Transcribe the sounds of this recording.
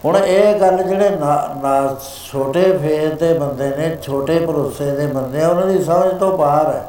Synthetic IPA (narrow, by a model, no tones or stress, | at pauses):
ɦʊɳeːɡəld͡ʒeːɽeːnanaː | t͡ʃʰoːʈeːpʰeːɾd̪eːbənd̪eːnẽːt͡ʃʰoːʈeːpəɾoseːd̪eːbənd̪eːɛ̃ːʊnãːd̪iːsəməd͡ʒt̪õːpaːɾɛː